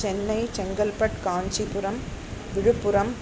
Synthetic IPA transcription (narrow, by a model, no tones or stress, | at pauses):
ɛnːɐɪt͡ʃɛŋɡɐlpɐʈkaːɲd͡ʒipʊɾɐmʋɪɻɯpːɯɾɐm